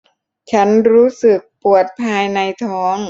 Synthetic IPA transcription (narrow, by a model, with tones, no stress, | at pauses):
t͡ɕʰa˦˥nɾuː˦˥sɯ˨˩k̚pu˨˩ət̪̚pʰaː˧jna˧jt̪ʰɔː˦˥ŋ